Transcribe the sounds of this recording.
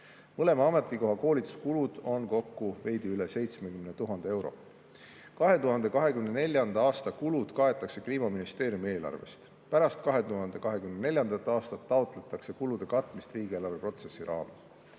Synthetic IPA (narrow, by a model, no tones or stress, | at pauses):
mɤle̞mɑɑme̞t̪ːˑiko̞ɦɑko̞ːlit̪ːˑu̥skulud̪̥o̞nko̞kːuve̞jd̪̥iyle̞se̞jt̪smekymnet̪uɦɑnd̪ee̞wɾo̞̰ | kɑɦe̞t̪uɦɑnd̪e̞kɑɦe̞kymne̞ne̞lʲjɑnd̪̥ɑɑːst̪ɑkulud̪̥kɑe̞t̪ːˑɑkse̞kliːmɑminist̪e̞ːɾjumie̞ːlɑ̰rve̞̰st̪ | pæɾɑst̪̚kɑɦe̞t̪uɦɑnd̪̥e̞kɑɦe̞kymnene̞lʲjɑnd̪̥ɑt̪ːˑɑːst̪ɑt̪ːɑot̪ˑle̞t̪ːˑɑkse̞kulud̪̥e̞kɑt̪ːˑmist̪riːɡ̥ielɑvepro̞t̪se̞sːiɾɑ̰ːmes